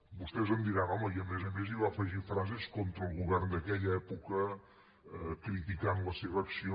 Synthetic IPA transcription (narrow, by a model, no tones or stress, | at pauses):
bust̪ɛzənd̪iɾanɔməiəmɛzəmeziβ̞afəʒifɾazɛskɔnt̪ɾəːlˠɣuβɛrnd̪əkɛʎəɛpukə | kɾit̪ikanləseβəːksio